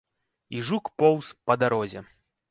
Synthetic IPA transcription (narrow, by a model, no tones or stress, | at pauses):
iʐukpɔwspɐd̪aɾɔzʲɛ